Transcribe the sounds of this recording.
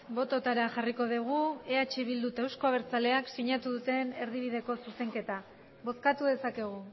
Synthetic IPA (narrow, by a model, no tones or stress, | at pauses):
bo̞t̪o̞t̪aɾaʝariko̞ðeɣ̞ue̞at͡ʃiβ̞ild̪ut̪ewsko̞aβe̞ɾt͡sale̞aksiɲat̪uðut̪e̞ne̞ɾðiβiðe̞ko̞suse̞ŋke̞t̪a | βo̞skat̪uðe̞sake̞ɣ̞u